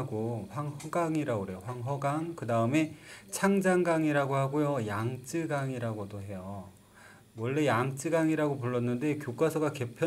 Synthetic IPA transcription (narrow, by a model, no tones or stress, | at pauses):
ɡoɸwaŋhʌɡaŋiɾaɡoɾejoɸwaŋɦʌɡaŋkɯdaɯme̞t͡ɕʰaŋd͡ʑaŋɡaŋiɾaɡohaɡojojaŋt͡ɕ͈ɯɡaŋiɾaɡodoɦe̞jo | wʌɭːe̞jaŋt͡ɕ͈ɯɡaŋiɾaɡopuɭːʌnːɯnde̞kjok͈asʰʌɡake̞pʰjʌ